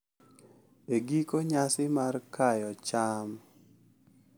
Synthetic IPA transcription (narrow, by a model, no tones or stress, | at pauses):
eɡikoɲasɪmarkajɔt͡ʃam